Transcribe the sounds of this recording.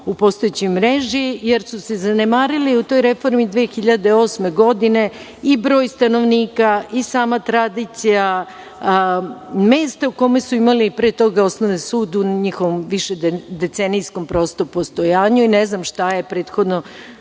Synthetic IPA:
upo̞st̪o̞jet͡ɕojmɾeʒijeɾsuse̞zanemaːɾiliut̪o̞jɾe̞fo̞ɾmid̪ʋeːxiʎad̪eo̞ːsme̞ɡo̞d̪ine̞ | ibɾo̞ːjst̪ano̞ʋniːkaisaːmat̪ɾad̪iːt̪sija | me̞ːst̪auko̞me̞suimalipɾet̪o̞ɡao̞snoʋesuːd̪uɲixoʋo̞mʋiʃed̪d̪e̞t̪senijsko̞mpɾo̞st̪opo̞st̪o̞jaːɲuineznamʃt̪ajepɾe̞ːt̪xo̞d̪no

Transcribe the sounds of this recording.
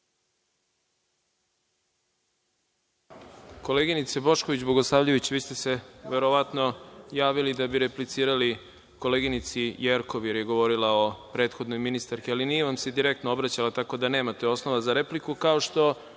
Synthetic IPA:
ko̞le̞ɡinit̪sebo̞ʃkoʋid͡ʑboɡo̞slˠaːʋʎeʋit͡ɕʋiːst̪e̞se̞ʋe̞ɾo̞ʋat̪no̞jaːʋilid̪abiɾe̞plit̪siːɾali | ko̞leːɡinit̪sijeɾko̞ʋje̞ɾjeɡo̞ʋo̞ɾilao̞pɾe̞ːt̪xo̞d̪no̞jminist̪aɾkialinijeʋamsed̪iɾe̞kt̪noo̞bɾat͡ɕalat̪ako̞d̪ane̞ːmat̪e̞o̞snoʋazaɾe̞plikukao̞ʃt̪o̞

